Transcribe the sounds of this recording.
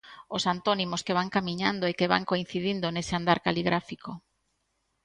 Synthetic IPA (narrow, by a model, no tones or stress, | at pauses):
osant̪onimoskeβaŋkamiɲand̪oekeβa̰ŋkoin̟θiðind̪oneseand̪aɾkaliɣɾafiko